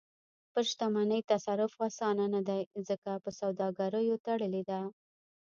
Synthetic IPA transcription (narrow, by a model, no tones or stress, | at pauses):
pəʃt̪amanəjt̪asaɾʊfɑsɑnanad̪ajzəkapəsawd̪ɑɡaɾəjot̪aɽəled̪a